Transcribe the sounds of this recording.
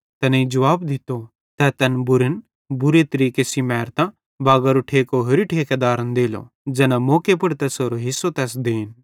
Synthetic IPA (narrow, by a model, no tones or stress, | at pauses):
t̪ɐneid͡ʒɐʋaːbd̪ɪt̪o | t̪ɛt̪ɐnbʊɾən | bʊɾet̪ɐɾiːkesimɛːɾt̪ã | baːɡɐɾoʈʰeːkoɦʊɾiʈʰeːked̪aːɾənd̪eːlo̰ | d͡ʒɛːnamoːkepɐɽt̪ɛsoːɾoɦɪsːot̪ɛːs̬d̪eːn